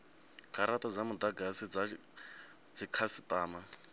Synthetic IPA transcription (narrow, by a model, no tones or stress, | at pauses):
kaɾatʼad͡zamud̪aɡasid͡za | d͡zikʰasit̪ʼaːma